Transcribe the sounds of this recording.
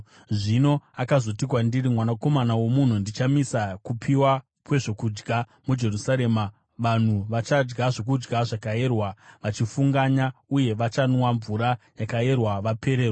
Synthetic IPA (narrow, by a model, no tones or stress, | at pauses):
ʐino̞akazo̞tik̬wandiɾimwanako̞manawo̞mun̤undit͡ʃamisakupʰiwa | kwe̞ʐo̞kud͡ʒɡa | mud͡ʒe̞rusaɾe̞ːma | ʋan̤uʋat͡ʃad͡ʒɡaʐo̞k̬ud͡ʒɡaʐakajerwaʋat͡ʃifuŋɡaɲauje̞ʋat͡ʃanwaɱvuɾajakae̞rwaʋapʰe̞ɾeːrwa